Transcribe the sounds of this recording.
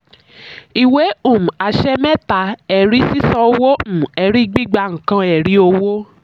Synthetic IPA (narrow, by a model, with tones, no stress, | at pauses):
i˨we˨˦ũ˦˨m̩̃˨a˨ʃɛ˦mɛ˦ta˨˦ɛ˨ɾi˨˦si˦sɔ̃˧o˧wo˦m̩̃˦˨ɛ˨ɾi˦ɡ͡bi˦ɡ͡ba˧ŋ̩˨kã˧ɛ˨ɾi˨˦o˧wo˦